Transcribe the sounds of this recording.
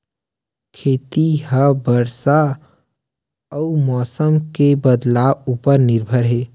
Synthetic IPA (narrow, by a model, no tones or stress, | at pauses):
kʰeːt̪iɦəbəɾsa | əumɔːsəmkebəd̪laːwuːpəɾnɪɾbʱəɾɦeː